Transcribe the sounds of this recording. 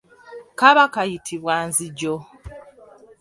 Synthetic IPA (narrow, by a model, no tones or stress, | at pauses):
kaβakajitʰiβwaːnziɟo